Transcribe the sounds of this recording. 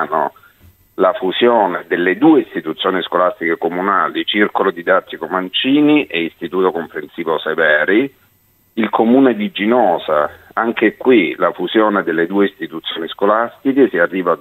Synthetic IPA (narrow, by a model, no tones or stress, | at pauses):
no | lafuzjoːned̪elːed̪uːeist̪it̪ut̪sːjoːniskolast̪ikekomunaːlit͡ʃirkolod̪id̪at̪ːikomant͡ʃiːniʔɛist̪it̪uːt̪okompɾensiːvosevɛːɾi | ilkʰomuːned̪id͡ʒinɔːzaaŋkekwilafuzjoːned̪elːed̪uːeist̪it̪ut̪sjoːniskolast̪ikesiarːiːva